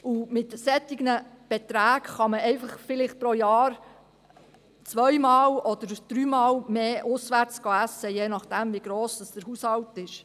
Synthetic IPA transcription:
ʊmɪt̪sɛt̪ːɪɡnəb̥ɛt̪ɾæːkχɑməɛɪfɑχfɪlɪχt̚pɾɔjɑːɾ | t͡sʋœjmɑːlɔd̪əɾd̥ɾyːmɑːlmeːʔʊsʋæɾt͡sɡ̥oæsəjeːnɑχd̥æmviɡɾoːsd̥ɑsd̥əɾhushɑwtɪʃ

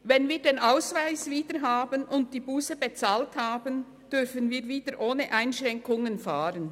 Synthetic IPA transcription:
vɛnviːdeːnʔaʊsvaɪsviːdəɾɦaːbənʔʊnt̚d̥iːbuːsebet͡saːlthaːbən | d̥ʏfənviːɾviːdəɾʔoːnəʔaɪnʃʁɛŋkʊŋənfaːɾən

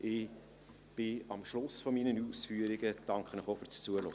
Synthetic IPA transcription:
ʔɪ | b̥ɪɑmʃlʊsfɔminənusfyːəɾiɡəd̥ɑŋkχənəχofyɾt͡st͡suəlo̰

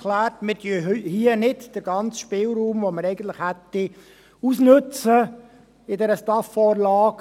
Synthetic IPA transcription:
læːɾtmɪdyəhiənɪdd̥əɾɡɑnt͡sʃpɪlɾuːmvoməɾɛɪɡən̩t̪ləχhɛt̪ːi | usnɵt͡sə | ɪdɛɾəstɑfːɔːɾlɑːk

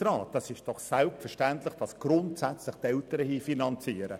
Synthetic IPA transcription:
ɾɑːt̚ɑsɪʃd̥ɔχsɛlptfɛɾʃtæntlɪχd̥ɑsɡ̥ɾʊntsæt͡slɪχtɛltəɾəhiːfinɑnt͡siːəɾə

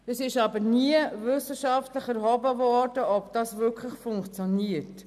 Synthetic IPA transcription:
əsɪʃɑbəniəvʏsəʃɑftləχɛɾhɔbəvɔɾd̥əɔbd̥ɑsʋʏkʰləχfʊŋkt͡sjɔniət

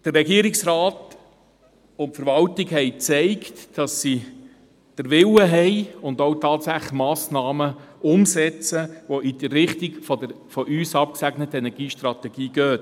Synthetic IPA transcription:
d̥ərːɛɡiːəɾɪksɾɑːt | ʊntfəɾvɑltiɡhɛɪt͡sɛɪktːɑsːi | d̥əɾʋɪwəɦɛɪʊndowtɑːtsæχmɑːsnɑːməʊmsɛt͡səʋoʔid̥̪əɾɪχtiɡfɔdəɾ | fɔʔyːsɑp̚ksæɡnətəɛnɛɡ̥iːʃtɾɑtɛɡ̥iːɡ̥øːt

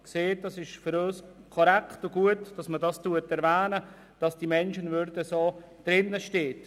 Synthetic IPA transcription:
kseːt̚dɑsɪʃfʏɾøːskʰɔɾɛktʊɡuətd̥ɑsmədɑstuətɛɾvæːnə | d̥ɑsd̥imɛnʃənvʏɾdəsoː | d̥ɾɪnːəʃteːt

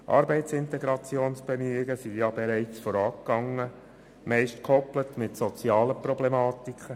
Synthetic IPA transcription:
ʔɑ̰ːɾbɛɪtt͡sɪnt̪ɛɡɾɑt͡sjoːnsb̥ɛmyɪɡəsijɑbɛɾɛɪt͡sfɔːɾɑːkɡɑŋːə | mɛɪʃtkʰɔplətmɪtsɔt͡sjɑːləprɔblemɑːtikχə

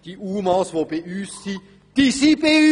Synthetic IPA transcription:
d̥iʔuːmɑːsvobeyːsːi | d̪̥isibe

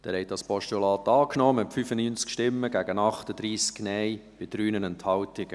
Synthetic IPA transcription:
d̥æːɾhɛjtdɑspɔʃtulɑːt̪ɑːknɔːmɛtfyfənyːnt͡skʃtɪmːəɡ̥æɡənɑχtəd̪ɾiːsknɛjb̥ɪd̥ɾyːnənɛnthɑwtɪɡ̥ə

